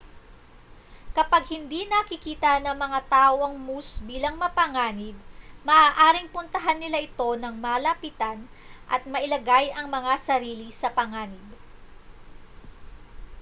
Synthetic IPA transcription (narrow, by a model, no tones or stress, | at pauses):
kɐpaɡ̚hɪnd̪inɐkɪkiːt̪ɐnɐŋmɐŋat̪aːʔoʔɐŋmusbiːlɐŋmɐpɐŋaːnɪb̚mɐʔaːʔaːɾɪŋpʊnt̪ɐɦanːɪlaʔɪt̪o̞nɐŋmaːlɐpiːt̪ɐn | ʔɐ̰t̪̚mɐʔɪlɐɡajʔɐŋmɐŋasɐɾiːlisɐpɐŋaːnɪɡ̚